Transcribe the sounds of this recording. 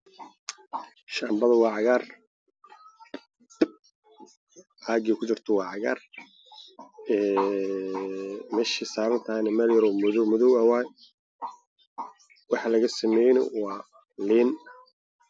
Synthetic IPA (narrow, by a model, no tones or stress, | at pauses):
ʃaːmbɐðɐwɑːʕɑɣaːr | ʔaːɡiːkʰʊt͡ʃɪrt̪ʰɔwɑːʕɑɣa̰ːr | ɛː | mɛːʃisaːβɐnt̪ʰajnɐmɐljɐɾɔmʊðɔmʊðʊawaːj | wɑħɑlɐɣɐsɐmɛːjnɔwɑː | liːn